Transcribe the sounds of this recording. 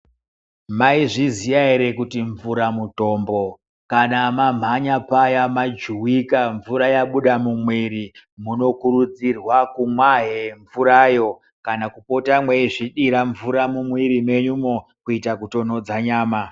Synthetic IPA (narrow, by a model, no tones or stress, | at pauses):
maiʐizijaiɾekutiɱvuɾamuto̞ːmbo̞ | kanamam̤aɲapajamad͡ʒuwikaɱvuɾajaɓuɗamumwiɾimuno̞kuɾud͡zirwakumwaɦeɱvuɾaːjo̞ | kanakupo̞tamweiʐiɗiɾaɱvuɾamumwiɾime̞ɲumokuitakuto̞no̞d͡zaɲaːma